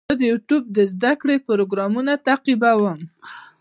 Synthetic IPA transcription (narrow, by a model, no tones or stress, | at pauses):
əd̪əjuʈub̚d̪əzd̪akɽepʊɾoɡɾɑmunat̪aqibawəm